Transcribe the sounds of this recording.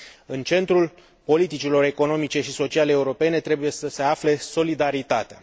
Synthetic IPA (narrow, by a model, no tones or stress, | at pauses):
ɨnt͡ʃe̞nt̪ɾul | po̞lit̪it͡ʃilo̞ɾe̞ko̞no̞mit͡ʃe̞ʃiso̞t͡ʃialeeːuɾo̞pe̞ne̞t̪ɾe̞buje̞səse̞afle̞so̞lid̪aɾit̪at̪ea